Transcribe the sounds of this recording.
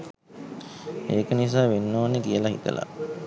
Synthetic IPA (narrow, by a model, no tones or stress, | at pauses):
eːkənis̬aːʋenːoʋanːekijəlaɦḭt̪ə̰la̰